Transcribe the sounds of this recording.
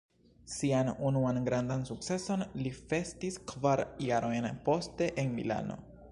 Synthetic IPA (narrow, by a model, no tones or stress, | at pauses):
sianunuanɡɾandansuk̚t͡se̞so̞nlife̞stiskvaɾjaɾo̞jnpo̞ste̞ʔenmḭla̰no̞̰